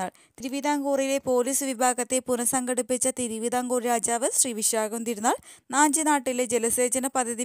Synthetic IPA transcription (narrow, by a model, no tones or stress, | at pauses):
aːɭ | t̪iɾuʋid̪aːŋɡuːrijle̞po̞ːliːsɨʋibʱaːɡɐt̪ːe̞punɐsɐŋɡɐɽipːit͡ɕːɐt̪iɾiʋid̪aːŋɡuːriɾaːd͡ʑaːʋɐɕriːʋiɕaːɡɐmt̪iɾunːaːɭ | naːɲd͡ʑinaːʈːiled͡ʑelɐseːd͡ʑɐnɐpɐd̪ʱːɐði